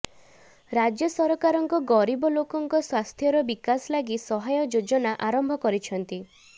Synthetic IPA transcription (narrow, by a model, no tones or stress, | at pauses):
ɾad͡ʒjɔsɔɾɔkaɾɔŋkɔɡɔɾibɔlokɔŋkɔswast̪ʰjɔɾɔbikaslaɡisɔɦajɔd͡ʒod͡ʒɔnaʔaɾɔmbʱɔkɔɾit͡ʃʰɔnt̪i